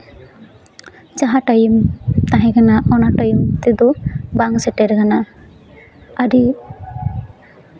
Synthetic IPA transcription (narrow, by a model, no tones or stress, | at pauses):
d͡ʒaɦaʈajimt̪aɦɛ̃kʰanaʔɔnaʈajimt̪id̪ubaŋsɛʈɛɾkʰana | aɾi